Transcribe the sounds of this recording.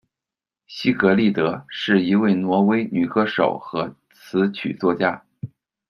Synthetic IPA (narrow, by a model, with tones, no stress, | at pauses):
ɕi˥kɤ˧˥li˥˩t̪ɤ˧˥ʂɻ̩˥˩i˧˥we˥˩ɪnwɔ˧˥we˥ɪny˨˩kɤ˥ʂo̰˨˩ʊxɤ˧˥ | t͡sʰɹ̩˧˥t͡ɕʰy̰˨˩t͡swɔ˥˩t͡ɕja˥